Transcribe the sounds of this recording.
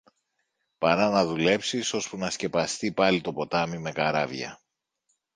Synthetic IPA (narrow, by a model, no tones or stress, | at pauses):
pɐɾɐnɐðule̞psiso̞spunɐsce̞pɐst̪ipɐlit̪o̞po̞t̪ɐmime̞kɐɾɐvʝɐ̰